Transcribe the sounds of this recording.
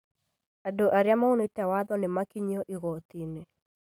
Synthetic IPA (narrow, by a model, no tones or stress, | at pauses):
adoʔaɾeamaonetɛwaðɔnɪmakiɲɔʔiɣɔt̪ine